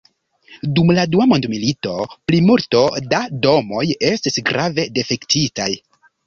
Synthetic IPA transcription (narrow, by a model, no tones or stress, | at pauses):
dumladuamo̞ndmilito̞plimuɾto̞dado̞mo̞je̞stisɡɾave̞de̞fe̞ktitaj